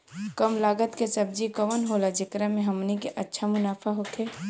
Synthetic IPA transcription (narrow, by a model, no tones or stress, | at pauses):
kəmlaːɡət̪kesɐb̚d͡ʒiɡəʋənɦolad͡ʒɪkɾamẽɦɐmnikeʔɐtːʃʰamʊnaːfʰaɦokʰeː